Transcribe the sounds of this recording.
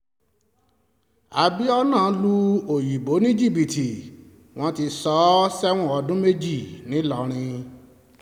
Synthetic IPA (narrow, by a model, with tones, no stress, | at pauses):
a˨bi˨˦ɔ˦nã˦˨˧lu˧o˨ji˨bo˨˦nĩ˦d͡ʒi˦˨bi˨ti˨ | w̃ɔ̃˧˦ti˧sɔ˨˦sɛ˦w̃ɔ̃˦˨ɔ˧dũ˦me˦d͡ʒi˦˨nĩ˨˦lɔ˦˨ɾ̃ĩ˧